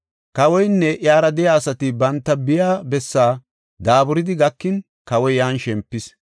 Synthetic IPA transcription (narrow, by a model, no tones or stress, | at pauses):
kɐwɔjnːɛʔjaːɾɐd̪ɛjaːsɐt̪ɪbɐnt̪ːɐbɪjaːbɛsːaː | d̪aːbʊɾɪd̪ɪɡɐkːɪn | kɐwɔjjaːnʃɛmpːɪs